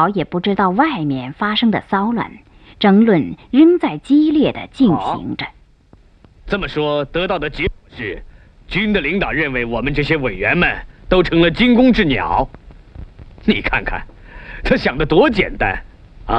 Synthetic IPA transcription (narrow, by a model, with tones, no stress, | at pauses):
ʊjɛ˨˩pu˥˩ʈ͡ʂɻ̩˥t̪ɑ˥˧ʊwa˥˩ɪmjɛ˥˩nfa˥ʂɤ˥ŋd̪ə̰˨sɑ˥ʊlwa̰˨˩n | ʈ͡ʂɤ˧˥ŋlwə˥˧nɻə˥nt͡sa˥˩ɪt͡ɕi˥ljɛ˥˩d̪ə̰˩t͡ɕi˥˩nɕḭ˧˥ŋʈ͡ʂə˧ | t͡sə˥˩mə˩ʂwɔ˥t̪ɤ˧˥t̪ɑ˥˩ʊd̪ə˩t͡ɕjɛ˧˥kwɔ˨˩ʂɻ̩˥˩ | t͡ɕy˥nd̪ə˨li˧˥ŋt̪ɑ˨˩ʊɻə˥˩nwe˧˥ɪwɔ˨˩mə˦nʈ͡ʂɤ˥˩ɕjɛ˥we˨˩ɪɥɛ˧˥nmə˨nt̪o˥ʊʈ͡ʂʰɤ˧˥ŋlə˨t͡ɕi˥nkʊ˥ŋʈ͡ʂɻ̩˥˩njɑ̰˨˩˦ʊ | ni˨˩kʰa̰˥˩nkʰa̰˥˩n | t͡sʰa˥ɕjɑ˨˩ŋd̪ə˦t̪wɔ˧˥t͡ɕjɛ̰˨˩nt̪a̰˥n˧˩